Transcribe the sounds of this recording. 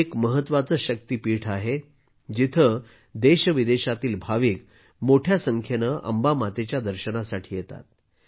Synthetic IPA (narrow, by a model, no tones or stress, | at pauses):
ekməɦət̪ʋat͡səːɕək̚t̪iːpiːʈʰaɦe | d͡ʑit̪ʰə | d̪eɕəʋid̪eɕat̪iːlbʱaʋiːk | moʈʰjasəŋkʰjenəʔə̰mbamat̪et͡ɕjad̪əɾɕənasaʈʰiːjet̪a̰t̪̚